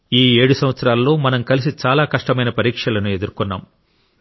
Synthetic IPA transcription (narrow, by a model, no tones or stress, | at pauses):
iːe̞ːɽusɐmʋɐt̪sɐɾaːlːo̞ːmɐnɐmkɐlis̬it͡ʃaːlaːkɐʂʈɐmɐjnɐpɐɾiːkʂɐlɐnue̞d̪uɾukunːa̰ːm